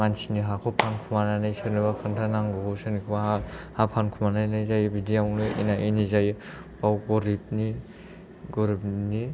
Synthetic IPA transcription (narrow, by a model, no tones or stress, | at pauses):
ansiniɦakʰɔpʰankʰumananajsɯnibakʰɯntʰanaŋɡɔkosɯnikʰɯbaahapʰankʰumanajnajzajbidijawnɯʔḭnaʔenizaj | b̥awɡɔɾib̚ni | ɡɔɾip̚ni